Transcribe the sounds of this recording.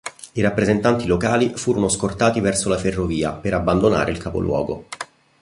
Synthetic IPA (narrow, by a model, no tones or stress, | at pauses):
iɾapːɾezent̪ant̪ilokaːlifuːɾonoskort̪aːt̪ivɛrsolaferːoviːa̰peɾabːand̪ona̰ːɾʔeilkapo̰lwɔ̰ːɡo̰